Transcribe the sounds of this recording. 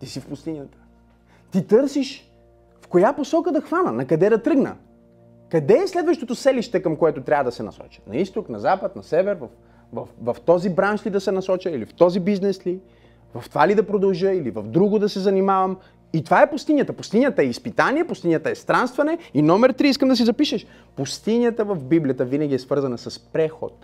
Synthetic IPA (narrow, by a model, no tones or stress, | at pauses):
t̪isifpʊst̪inʲət̪ə̥ | t̪it̪ɤɾsiʃ | fkojaposɔkəd̪ɐxvanənɐkɐd̪ɛd̪ɐt̪ɾɤɡnə̰ | kɐd̪ɛːslɛd̪vəʃt̪ot̪osɛliʃt̪ɛkɐmkoɛt̪ʊt̪ɾʲavəd̪ɐsɛnɐ̰sɔ̰t͡ʃə̥nɐist̪oknɐzapət̪̚nɐsɛvɛɾvɐf | vɐfvɐft̪ɔzibɾanʃlid̪ɐsɛnɐsɔt͡ʃəilift̪ɔzibiznɛsli | vɐft̪ovalid̪ɐpɾod̪ɐlˠʒəilivɐvd̪ɾuɡʊd̪ɐsɛzɐnimavɐm | it̪ovaɛpʊst̪inʲjət̪əpʊst̪inʲjət̪əɛispit̪aniɛpʊst̪inʲjət̪əɛst̪ɾanst̪vɐnɛinɔmɛɾt̪ɾiiskəmd̪ɐs̬izɐpiʃɛʃ | pust̪inʲjət̪əvɐvbiblʲijət̪əvinəɡʲiɛsvɤɾzɐnəsɐspɾɛxo̰t̪̚